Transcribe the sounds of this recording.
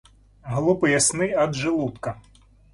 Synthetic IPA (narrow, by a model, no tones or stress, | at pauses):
ɦlˠupɪjɐsnɪjɐd̪ʒɪlˠut̪kɐ